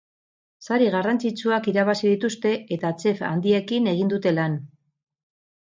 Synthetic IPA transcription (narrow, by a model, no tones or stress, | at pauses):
saɾiɣarant͡sit͡suakiɾaβasiðit̪ust̪e̞et̪at͡se̞fa̰nd̪ie̞kine̞ɣ̞ind̪ut̪e̞lan